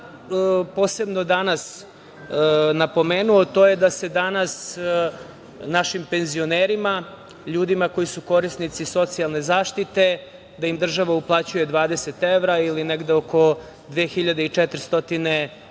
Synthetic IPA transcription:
po̞ːse̞bno̞d̪anas | napo̞meːnuot̪o̞je̞d̪ase̞d̪anas | naʃimpe̞nzio̞neːɾima | ʎuːd̪imako̞jisuko̞ɾist̪nit̪siso̞t̪sialˠne̞zaːʃt̪it̪e̞ | d̪aimd̪r̩ʒaʋauplˠaːt͡ɕujed̪ʋaːd̪e̞set̪eʋɾailineɡd̪eoko̞ | d̪ʋeːxiʎad̪eit͡ʂɛt̪ɾist̪o̞t̪ine̞

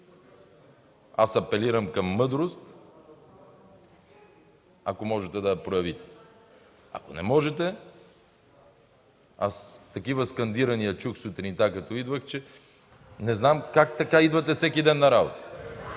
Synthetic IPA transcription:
asɐpɛliɾɐmkɐmːɤd̪ɾost̪ | ɐkomɔʒɛt̪ɛd̪ɐjɐpɾojɐvit̪ɛ̥ | ɐ̰konɛmɔʒɛt̪ɛ | ast̪ɐkivəskɐnd̪iɾɐnijɐt͡ʃuxsʊt̪ɾint̪akɐt̪ɔid̪vəxt͡ʃɛ | nɛznamkak̚t̪ɐkaid̪vɐt̪ɛfsɛkid̪ɛnːɐɾabot̪ə̥

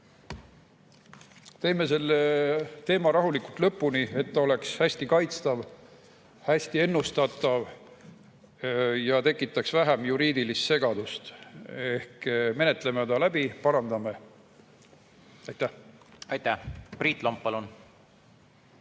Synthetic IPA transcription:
t̪e̞ːme̞se̞lːe̞t̪e̞ːmɑɾɑɦulikult̪lɤ̞pːˑunie̞t̪ːɑo̞le̞kshæsʲt̪ikɑjt̪st̪ɑv | hæsʲt̪ie̞nːust̪ɑt̪ːˑɑv | jɑt̪e̞kːˑit̪ːˑɑksvæɦæmjuɾiːd̪̥ilist̪se̞ɡɑd̪̥ust̪e̞hkme̞ne̞t̪ːˑlemet̪ɑlæb̥ipɑɾɑnd̪ɑme̞ | ɑjt̪ːæhɑjt̪æpriːt̪ˑlompːɑlun

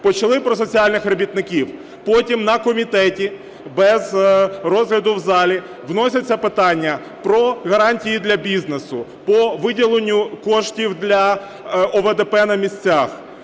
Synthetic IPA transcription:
pɔt͡ʃɐlˠɪpɾɔs̬ɔt͡sʲiɑlʲnɪxrɐbʲit̪nɪkʲiw | pɔtʲimnɐkɔmʲit̪ɛtʲi | bɛzrɔzɦlʲɐd̪ʊwzɑlʲi | ʋnɔsʲɐt͡sʲːɐpɪt̪ɑnʲːɐ | pɾɔɣɐɾɑnʲtʲijid̪lʲɐbʲiznesʊpɔʋɪdʲilˠenʲːʊkɔʃtʲiwd̪lʲɐ | ɔʋed̪epɛnɐmʲisʲt͡sʲax

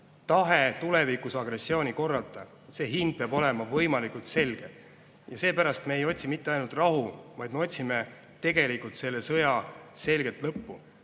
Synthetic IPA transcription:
t̪ɑɦe̞t̪ule̞vikˑusɑɡ̥re̞sːio̞ːnʲiko̞rːɑlt̪ˑɑ | se̞ːɦind̪̥̚peɑbo̞le̞mɑvɤjmɑlikult̪se̞lɡ̥e̞ | jɑse̞ːpæɾɑst̪me̞ejo̞t̪ʲsimit̪ːeɑjnult̪ˑrɑɦuvɑjd̪meo̞t̪ʲsime | t̪e̞ɡe̞likːˑult̪se̞lːe̞sɤjɑse̞lɡ̥et̪lɤpːu

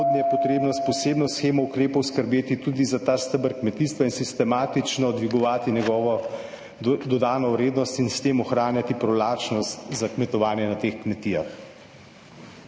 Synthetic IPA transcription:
od̪nijɛpɔt̪ɾeːbnɔspɔseːbnɔsxeːmɔukɾeːpɔwskəɾbeːt̪it̪uːd̪izat̪aːst̪əbəɾkmɛt̪iːst̪ʋainsist̪ɛmaːt̪it͡ʃnɔd̪ʋiɡɔʋaːt̪inɛɡɔːʋɔ | d̪ɔd̪aːnɔwɾeːd̪nɔst̪inst̪eːmɔxɾaːnjat̪ipɾɔlaːt͡ʃnɔst̪zakmɛt̪ɔʋaːnjɛnat̪exkmɛt̪iːja̰x

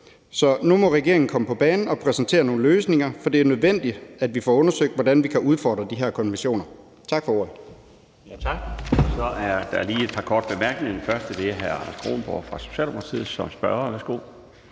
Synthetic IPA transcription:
sɒ̽numɒ̽ʁɛɡ̥e̝ɐeŋn̩kʰɒ̽məpʰɒ̽b̥ɛːnn̩ɒ̽pʰʁɛsent͡sʰe̝̰ːɐno̝ːn̩løːsne̝ŋɐfɒ̽d̥e̝æɐnøð̞ˠʋen̰d̥i̥æd̥ʋifɒ̰ːɔ̽nɐsøɡ̥̚d̥ʋɒdænʋikʰæʔuð̞ˠfɒ̰ːd̥ʁɐd̥iɦæɐ̰kʰɒ̽nʋeɕo̝̰ːnɐ | t͡sʰɑ̈ɡ̥fɒ̽o̝ɐ̰ð̩ˠ | jt͡sʰɑɡ̥sɒ̽ʔæɐd̥ɑliːe̝d̥̚pʰɑ̈kʰɒ̰ːd̥̚b̥e̝mæɐɡ̥neŋfɶɐsd̥əd̥e̝ɦæɐɑnɐsɡ̥ʁo̝̰ːnb̥ɒ̰ːfʁɑ̈so̝̥ɕɛ̰ːldmo̥ɑt͡sʰið̩ˠsɒ̽msb̥ɶɐɐʋæɐsɡ̥o̝̰

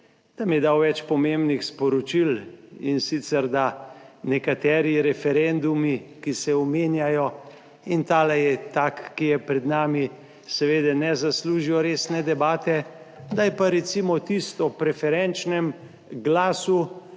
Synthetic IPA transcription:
d̪̥amjɛd̪awʋɛt͡ʃpɔmembnixspɔɾɔt͡ʃilinsit̪sɛɾd̪anɛkat̪ɛːɾiɾɛfɛɾɛnd̪umikisɛɔmeːnjajɔ | int̪aːlɛjɛt̪akːijɛpɾɛd̪naːmi | sɛʋeːd̪ɛnɛzasluːʒiɔɾeːsnɛd̪ɛbaːt̪ɛ | d̪ajpaɾɛt̪simɔt̪ist̪ɔpɾɛfɛɾɛnt͡ʃnɛm | ɡlaːsu

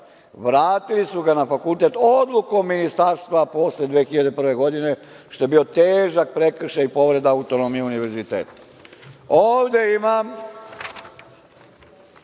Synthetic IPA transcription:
ʋɾaːt̪ilisuɡanafakult̪e̞t̪od̪luko̞mːinist̪aɾst̪ʋapo̞sled̪ʋeːxiʎad̪e̞pr̩ʋe̞ɡo̞d̪ine̞ | ʃt̪o̞jebio̞t̪eːʒak̚pɾe̞kr̩ʃaipo̞ʋɾe̞d̪aaut̪o̞no̞mijeuniʋe̞ɾzit̪ḛːt̪ḁ | oːʋd̪e̞imam

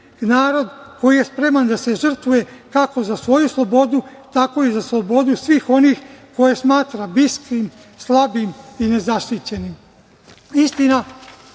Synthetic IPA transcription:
naːɾo̞d̪ko̞jije̞spɾe̞mand̪ase̞ʒr̩t̪ʋuje̞kako̞zasʋo̞juslˠo̞bo̞d̪ut̪ako̞izaslˠo̞bo̞d̪usʋiːxo̞nixko̞jesmaːt̪ɾabiskɾim | slˠabimine̞zaʃt̪it͡ɕe̞nim | ist̪ina

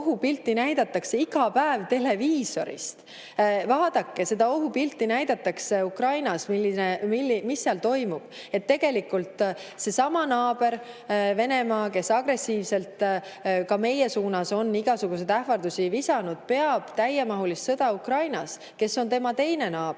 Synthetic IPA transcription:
ɦupilt̪ːinæjd̪̥ɑt̪ːˑɑkseiɡɑpæevt̪e̞le̞viːso̞̰ɾḭst̪ | vɑːd̪̥ɑkːe̞se̞d̪ɑoɦupilt̪ːˑinæjd̪̥ɑt̪ːˑɑkseukrɑjnɑsmilːinemilːimisːeɑlt̪o̞jmub̥ | e̞t̪ːe̞ɡ̥e̞likːult̪ˑse̞sɑmɑnɑːb̥e̞ɾ | ve̞ne̞mɑːke̞sːɑɡ̥re̞sːiːvse̞lt̪ | kɑme̞jesuːnɑso̞nːiɡ̥ɑsuɡ̥us̬e̞jd̪æhvɑrd̪usivisɑnud̪̥̚pe̞ɑb̥t̪æjemɑɦulisːɤ̞d̪̥ɑukrɑjnɑs | ke̞sːo̞nt̪e̞mɑt̪e̞jne̞nɑː

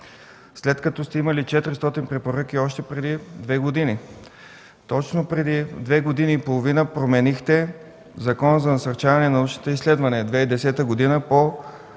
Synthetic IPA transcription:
slɛt̪kɐt̪ɔst̪ɛimɐlit͡ʃɛt̪ɾist̪ɔt̪inpɾɛpoɾɤk̟ʲiɔʃt̪ɛpɾɛd̪id̪vɛɡod̪ini | t̪ɔt͡ʃnopɾɛd̪id̪vɛɡod̪iniːpolˠovinəpɾomɛnixt̪ɛ | zɐkɔnəzɐnɐsɐɾt͡ʃavɐnɛnɐut͡ʃnot̪oislɛd̪vɐnid̪vɛid̪ɛsɛt̪əɡod̪inəpo

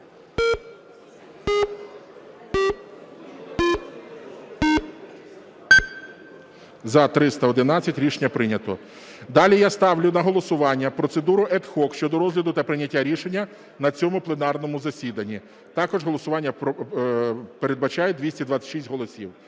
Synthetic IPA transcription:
zɐt̪ɾɪst̪ɐɔd̪ɪnɑt͡sʲːɐtʲɾʲiʃenʲːɐpɾɪnʲɐt̪ɔ | d̪ɑlʲijast̪ɑwlʲʊnɐɦɔlˠɔsʊʋɑnʲːɐpɾɔt̪se̞d̪uɾʊʔɛt̪xɔkʃt͡ʃɔd̪ɔɾɔzɦlʲɐd̪ʊt̪ɐpɾɪnʲɐtʲːaɾʲiʃenʲːɐ | nɐt͡sʲɔmʊplˠenɑrnɔmʊzɐsʲid̪ɐnʲːi | t̪ɑkɔʒɦɔlˠɔsʊʋɑnʲːɐ | peɾed̪bɐt͡ʃɑjɛd̪ʋʲisʲtʲid̪ʋɑt͡sʲːɐ̥tʃisʲtʲɦɔlˠɔsʲḭw

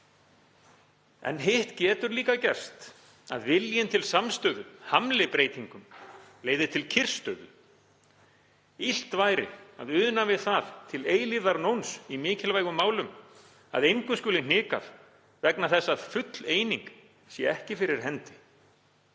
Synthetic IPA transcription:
ɛ̰nɦɪht̪cɛːt̪ʏɾliːkacɛr̥st̪ | aðvɪljɪnt̪ʰɪlsamst̪œðʏhamlɪpɾeːjt̪iŋkʏmleːjðɪt̪ʰɪlcʰɪr̥st̪œːðʏ̰ | il̥t̪vaːjɾɪ̰a̰ðʏːðʏnavɪðθaðt̪ʰɪleːjlivðaɾnownsimɪːcʰɪlvaːjɣʏmːaːwlʏm | a̰ðejŋkʏskʏːlɪnɪːka̰ɾ | vɛknaθɛsːaðfʏt̪leːjniŋk | sjɛɛhcɪfɪɾɪɾ̥ɦɛnt̪ɪ̥

